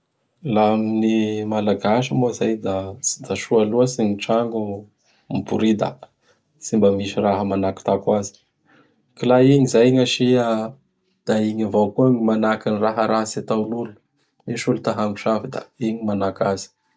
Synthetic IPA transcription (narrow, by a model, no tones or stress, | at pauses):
lamnimalaɡaʃəmozajd̪ad̪aʃualuəsiɲiʈ͡ʂaŋɡu | mibuɾid̪a̰ | t͡simbəmiʃiraɦəmanaki̥t̪akwazi̥ | kilaiɲizajŋaʃia | d̪̥aiɲavokuaɲimanakiniraɦəɾasat̪awlulu | miʃulut̪aɦaŋɡuʃafid̪a̰iɲimanakazi̥